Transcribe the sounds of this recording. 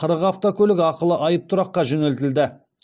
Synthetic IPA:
qʰəɾəqɑft̪okʲʰɵlɪɡʲɑqəlˠəʔɑjəp̚t̪ʰʊɾɑqːɑʒɵne̞lt̪ɪld̪ɪ

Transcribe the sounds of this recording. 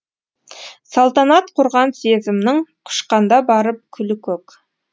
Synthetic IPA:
sɑlˠt̪ɑnɑt̪qʰʊɾʁɑnse̞zɪmɪnɪŋqʰʊ̥ʃqɑnd̪ɑbɑɾəp̚kʲʰʏlɪkʲʰɵk

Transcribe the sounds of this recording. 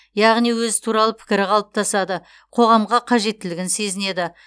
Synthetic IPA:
jɑʁnijwɵzɪt̪ʰuɾɑlˠəpʰɪ̥kʲɪɾɪqʰɑlˠəp̚t̪ʰɑsɑd̪ə | qʰo̞ʁɑmʁɑqʰɑʒe̞t̪ːɪlɪɡʲɪnse̞zɪne̞d̪ɪ

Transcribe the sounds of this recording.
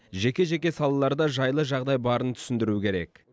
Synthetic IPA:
ʒe̞kʲe̞ʒe̞kʲe̞sɑlˠɑlˠɑɾd̪ɑʒɑjlˠəʒɑʁd̪ɑjbɑɾənt̪ʰʏ̥sɪnd̪ɪɾukʲʰe̞ɾe̞k

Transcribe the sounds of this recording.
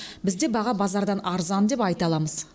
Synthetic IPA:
bɪzd̪e̞bɑʁɑbɑzɑɾd̪ɑnɑɾzɑnd̪e̞pɑjt̪ɑlˠɑməz̥

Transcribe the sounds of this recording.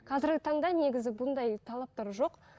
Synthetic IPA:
qʰɑzɪɾɡʲɪt̪ʰɑɴd̪ɑne̞ɡʲɪzɪbʊnd̪ɑjt̪ʰɑlˠɑp̚t̪ɑɾʒo̞q

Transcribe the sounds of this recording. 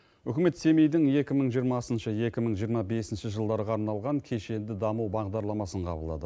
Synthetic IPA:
ʏkʲɪme̞t̪se̞mejd̪ɪŋje̞kʲɪməɴʒijəɾmɑsənʃəje̞kʲɪməɴʒijəɾmɑbe̞sɪnʃɪʒəlˠd̪ɑɾəʁɑːɾnɑlˠʁɑŋkʲʰe̞ʃe̞nd̪ɪd̪ɑməwbɑʁd̪ɑɾlˠɑmɑsəɴqʰɑ̰bəlˠd̪ɑ̰d̪ə

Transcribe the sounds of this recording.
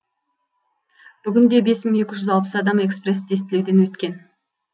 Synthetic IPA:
b̥ʏɡʲɪnd̪e̞be̞smɪŋe̞kʲɪʒʏzɑlˠpəsɑd̪ɑme̞kspre̞sd̪e̞st̪ɪle̞wd̪e̞nwɵt̪kʲe̞n

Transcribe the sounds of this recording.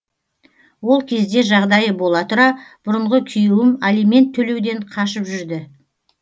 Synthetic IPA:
wo̞lˠkʲʰe̞zd̪e̞ʒɑʁd̪ɑjəbo̞lˠɑt̪ʊɾɑb̥ʊɾəɴʁəkʲʰʏjuwɪmalijme̞nt̪ʰːɵle̞wd̪e̞ɴqʰɑʃəpʒʏɾd̪ɪ

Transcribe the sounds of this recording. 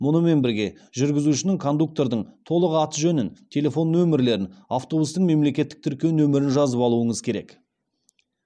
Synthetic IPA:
mʊnəme̞nbɪɾɡʲe̞ | ʒʏɾɡʲɪzuʃɪnɪŋkʰo̞nd̪uk̚t̪o̞ɾd̪əɴt̪ʰo̞lˠəqɑt̪əʒɵnɪnt̪ʲʰe̞lʲe̞fo̞nːɵmɪɾle̞ɾɪnaft̪o̞bust̪əɴme̞mle̞kʲe̞t̪ːɪk̚t̪ʰʏɾkʲe̞wnɵmɪɾɪnʒɑzəpɑlˠuəɴəzkʲʰe̞ɾe̞̰k

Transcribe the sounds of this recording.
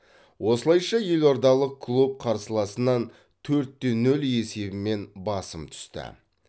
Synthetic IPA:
wʔo̞səlˠɑjʃɑje̞lo̞ɾd̪ɑlˠəq̚kʰlˠup̚qʰɑɾsəlˠɑsənːɑn | t̪ʰɵɾt̪ːe̞nɵle̞se̞bɪme̞nbɑsəmt̪ʰʏ̥st̪ɪ̰

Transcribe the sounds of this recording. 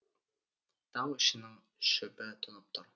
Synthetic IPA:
t̪ɑŋɵ̆ʃɘ̆nɘŋ | ʃɵ̆bɘt̪ʰŏnɤp̚t̪ʰoɾ

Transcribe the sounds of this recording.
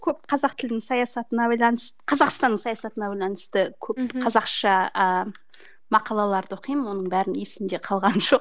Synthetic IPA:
kʲʰɵp̚qʰɑzɑqt̪ʰɪld̪ɪŋsɑjɑsɑt̪ənɑbɑjlˠɑnəsəqʰɑzɑqst̪ɑnːəɴsɑjɑsɑt̪ənɑbɑjlˠɑnəst̪əkʲʰɵp̚qʰɑzɑqʃɑə | mɑqɑlˠɑlˠɑɾd̪əoqijməwo̞nəɴbæɾɪnjesɪmd̪e̞qʰɑlˠʁɑnʒoq

